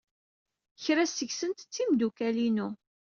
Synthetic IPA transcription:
çɾæsəçsənt̪ə̥t͡sːimd̪ukælinu

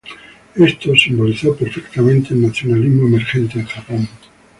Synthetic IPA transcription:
est̪osimboliθopeɾfekt̪amẽnt̪eːlnaθjo̞nalizmoemeɾxe̞nt̪eaxapoŋ

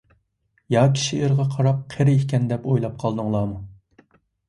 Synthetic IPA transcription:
jɑkʲʰi̥ʃieɾʁɑqʰɑɾɑp̚qʰeɾɪihkʲɛnd̪ɛpojlˠɑp̚qʰɑlˠd̪ɨŋlˠɑːmu

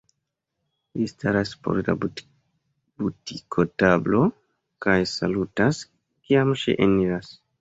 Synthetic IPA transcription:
listaɾaspo̰ɾda̰ | butikʰotablo̞ | kajsalutas | kiamʃḭʔeniɾas

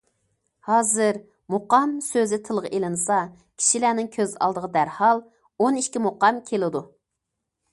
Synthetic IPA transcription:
hɑːzɨɾ | moqɑmsøzɪt̪ʰɨlˠʁʔelɨnɨsɑ | kʲʰi̥ʃilæːnɪŋkʲʰøzɑ̰lˠd̪əʁəd̪æɾhɑlˠ | oniʃkʲimoqɑmkʲʰelɪd̪u

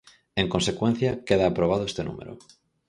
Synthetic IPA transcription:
eŋkonsekwen̟θjakeðaːpɾoβ̞aðoest̪enṵmḛɾo̰

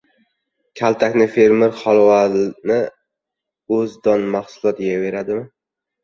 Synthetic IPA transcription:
kʲʰalˠt̪ʰakʲnɪfeɾmɪɾχɒlˠwanɪ | ɵzd̪ɒnmaχsʊlˠɒt̪jave̞ɾad̪ɪmɪ

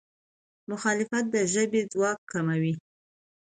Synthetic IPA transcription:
mʊxɑlɪfat̪̚d̪əʒəbed͡zwɑkkʰːamawi

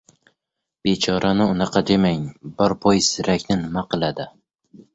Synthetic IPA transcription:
b̥e̞t͡ʃʰɒɾʔanɪʊnɑqʰɑd̪e̞maŋbɒɾpʰojsɪɾakʲnɪnɪmaqɨlˠad̪ɪ

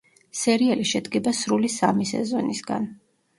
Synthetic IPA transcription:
sɛɾialiʃɛd̪ɡɛbasɾulisamisɛ̰zɔnisɡa̰n

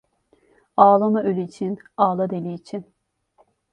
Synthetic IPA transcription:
aːlˠamaølʲyːt͡ʃʰinaːlˠad̪elʲiːt͡ʃʰin

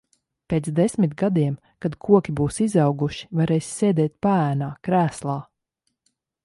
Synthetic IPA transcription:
peːt̪sd̪esʲmit̪ɡad̪iɛm | kad̪kʰuɔkʲibuːsizɑwɡuʃi̥vaɾeːsseːd̪ɛːt̪̚paæːnaːkɾæːslˠaː

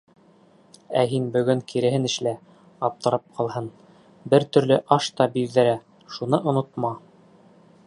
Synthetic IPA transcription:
æɦinbɵ̆ɡɵŋkʰiɾɘ̆ɦɘnɘ̆ʃlæ | ɑp̚t̪ɤ̆ɾɑp̚qʰɑlˠɦɤn | bɘɾt̪ɵ̆ɾlɵʔɑʃt̪ɑbiðːɘ̆ɾæ | ʃunɤʔŏnŏt̪mɑ

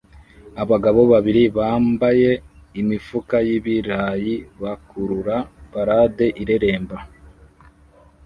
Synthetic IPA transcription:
aβaɡaβo̞βaβiɾiβaːmbaje̞ | imifukajiβiɾajiβakuɾuɾabaɾade̞ʔiɾe̞ɾe̞ːmba

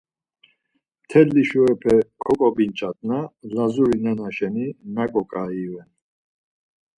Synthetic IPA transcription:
t̪ʰɛlːiʃuɛpʰɛkʰɔkʼɔbint͡ʃʼat̪ʼnalazuɾinanaʃɛninakʼɔkʼaivɛn

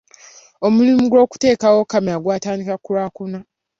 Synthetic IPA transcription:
omulimuɡwo̞ːku̥te̞ːkawo̞kamiaɡwaːtaːndikakuɾaːkuna

